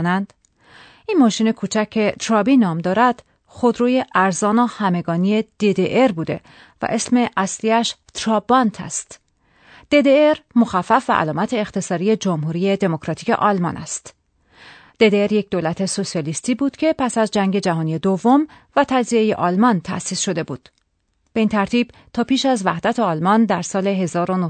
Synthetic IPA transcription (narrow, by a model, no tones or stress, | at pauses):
nænd̪̥ | ʔinmɒːʃiːne̞kʰuːt͡ʃʰæckʲʰːe̞t̪ʰɾɒbiːnɒːmd̪ɒːɾæd̪̥ | xo̞d̪ɾuːje̞ʔæɾzɒːnohæme̞ɡɒːnie̞d̪̥ed̪eʔeɾbuːd̪e̞̰ | væ̰ʔe̞sme̞ʔæsliæʃt̪ʰɾɒːbɒnt̪ʰæ̰st̪ | d̪̥e̞d̪eeɾmoxæfːæfvæ̰ʔæ̰lɒːmæt̪ʰe̞ːxt̪e̞sɒːɾije̞d͡ʒomhuːɾije̞d̪e̞mo̞kʰɾɒt̪ʰiːce̞̰ʔɒlmɒ̰ːnʔæ̰st̪ | d̪̥e̞d̪eeɾje̞c̚ʰd̪olæt̪ʰe̞so̞sijɒːlist̪iːbuːd̪̥cʰe̞pʰæsæzd͡ʒæŋɡɟe̞d͡ʒæɦɒːnije̞d̪ovːo̞m | væt̪ʰæd͡ʒzieje̞̰ʔɒlmɒnt̪ʰæ̰siːsʃo̞d̪e̞bṵːd̪̥ | b̥e̞int̪ʰæɾt̪ʰiːb̥t̪ʰɒːpiːʃæzvæhd̪æt̪ʰe̞ɒːlmɒnd̪æɾsɒːle̞ɦe̞zɒːɾo̞no